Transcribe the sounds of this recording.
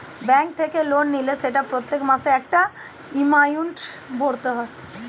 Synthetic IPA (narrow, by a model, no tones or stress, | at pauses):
bɛ̃ːŋk̚t̪ʰekeloːnːileseʈapɾot̪jekmaseek̚ʈa | imaːjuɳʈ | boːɽt̪əɦə